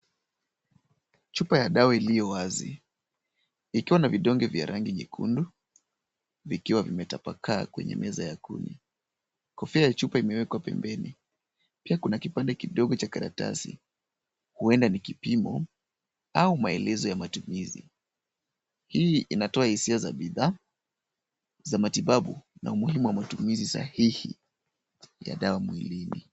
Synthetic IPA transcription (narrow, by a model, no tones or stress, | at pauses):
t͡ʃupajaɗaɔilijɔwazi | ikiwanaviɗɔŋɡɛvja̰ɾʔaŋɡiɲḭkʰṵndu | vikiwavimɛtapa̰kʰaːkwɛ̰ɲɛ̰mʔɛzajakṵnḭ | kɔfiajat͡ʃupaimɛwɛkwapɛ̰mbɛni | piakunakipandɛkiɗɔɠɔt͡ʃakaɾa̰ta̰sḭ | huɛndanikipimɔ | aumaɛlɛzɔjamatumizi | hiːʔinatɔahisiazaɓiða | zamatiɓaɓṵnʔa̰umuhimuwamatumizisa̰hihḭ | ja̰ɗawamwilinḭ